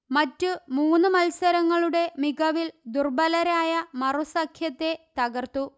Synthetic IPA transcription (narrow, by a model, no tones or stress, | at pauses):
mɐtːumuːnːɨmɐlsɐɾɐŋːɐɭuɽe̞miɡɐʋild̪urbɐlɐɾaːjɐmɐrusɐkʰjɐt̪ːe̞t̪ɐɡɐrt̪u